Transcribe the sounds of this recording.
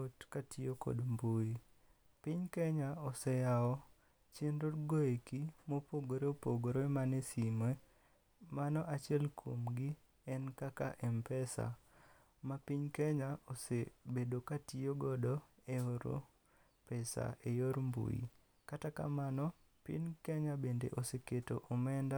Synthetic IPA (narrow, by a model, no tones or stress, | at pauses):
otkatioko̰dmbui | piɲkɛɲaosɛjaɔ | t͡ʃenɾotɡoekimopoɡoɾeopoɡoɾoemanesimwe | manɔʔat͡ʃɪɛlkʰo̰mɡi | ɛnkaka̰ʔɛmpɛsa̰ | mapiɲkɛɲaosebedokatioɡɔdɔeoɾo̰ | pɛsa̰ʔejoɾmbṵjḭ | kataka̰manɔ | pḭnkɛɲabendḛʔoseketoʔomɛnda